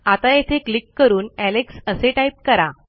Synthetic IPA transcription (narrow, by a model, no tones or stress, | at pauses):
at̪ajet̪ʰeklikːəɾuːnæleksəseʈajp̚kəɾa